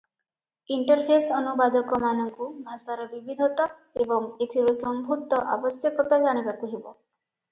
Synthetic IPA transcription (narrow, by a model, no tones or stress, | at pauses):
iɳʈɔɾpʰesɔnubad̪ɔkɔmanɔŋkubʱasaɾɔbibid̪ʱɔt̪a | ebɔŋet̪ʰiɾusɔmbʱut̪ɔʔabɔsjɔkɔt̪ad͡ʒaɽ̃ibakuɦebɔ